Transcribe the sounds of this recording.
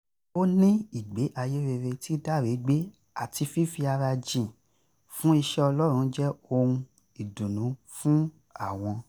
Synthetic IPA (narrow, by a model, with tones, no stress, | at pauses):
o˦nĩ˦i˨ɡ͡be˨˦ʔa˧je˦ɾe˧ɾe˧ti˦da˦˨ɾe˨˦ɡ͡be˦ | a˦˨ti˧fi˦fi˧a˧ɾa˧d͡ʒĩ˨ | fũ˦i˧ʃɛ˦ɔ˧lɔ˦ɾ̃ũ˨˦d͡ʒɛ˦o˧ɾ̃ũ˧ | i˨dũ˨nũ˨˦ | fũ˦ | a˦˨w̃ɔ̃˧